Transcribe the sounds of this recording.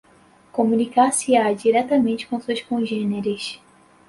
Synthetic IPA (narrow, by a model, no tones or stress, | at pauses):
kõmũnikasiad͡ʒiɾɛt̪ɐmẽnt͡ʃɪ̥kõsuʃkõʒẽneɾɪʃ